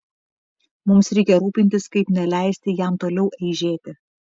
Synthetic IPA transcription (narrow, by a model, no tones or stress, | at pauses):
mʊmsɾʲɛɪkʲɛɾuːpʲɪnʲt̪ʲɪskɐɪpnʲɛlʲæˑɪsʲt̪ʲɪjæmt̪oːlʲɛʊʔɛɪʒʲeːt̪ʲɪ